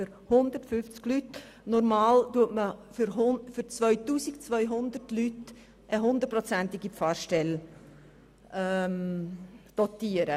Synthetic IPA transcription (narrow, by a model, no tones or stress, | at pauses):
føɾ | hʊnd̪əɾtfʏft͡sɡ̥lyt | nɔɾmɑːltuətməfyɾɦʊfʏɾt͡svœʏtuːsikt͡svœʏɦʊnd̪ətlyt | ʔəɦʊnd̪əɾ̚prɔt͡sɛntɪɡipfɑːɾʃtɛl | ʔɛm | d̪̥ɔtiəɾə